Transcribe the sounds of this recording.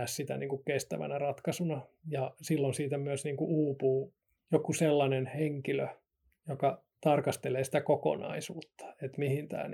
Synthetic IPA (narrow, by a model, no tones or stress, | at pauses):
æssit̪æ̰nḭːŋkukkest̪æ̰ʋæ̰nærɑt̪kɑsunɑ | jɑsilːonsiːt̪æmyøsniːŋkuuːpuː | jokuselːɑnenheŋkilø | jokɑ | t̪ɑrkɑst̪eleːsi̥t̪ækoko̰nɑ̰isuːt̪ːɑ̥et̪mihint̪æ̰ːn